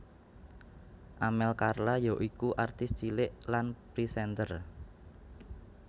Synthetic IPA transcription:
ʔamɛlkarlajɔʔikuʔart̪ɪst͡ʃilɪʔlanpɾisɛnt̪ər

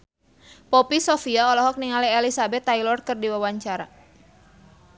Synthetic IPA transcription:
pɔpisofiaɔlɔɦɔk̚niŋaliɛlisabɛt̪ːajlɔrkɨrdiwawaɲt͡ʃaɾa̰

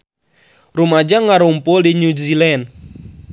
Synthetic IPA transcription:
rumad͡ʒaŋaɾumpʊldinuzilɛn

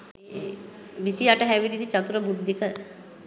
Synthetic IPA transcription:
ʋisiaʈəɦɛʋiɾid̪it͡ʃat̪uɾəbud̪ʱːikə

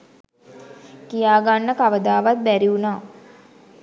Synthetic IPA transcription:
kijaːɡanːəkaʋəd̪aːʋat̪̚bæɾiunaː

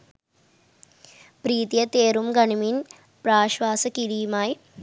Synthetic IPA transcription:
pɾiːt̪jɐt̪eːɾumɡɐɳimin | praːɕʋaːsɐkiɾijumaːji

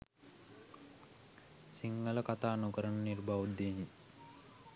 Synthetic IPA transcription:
siŋɡələkat̪aːnukəɾənənirbaʋud̪en

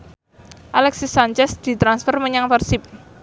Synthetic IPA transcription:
ʔalɛksisaɲt͡ʃɛsd̪̥i̤t̪ɾansfərməɲaŋfərsɪp̚

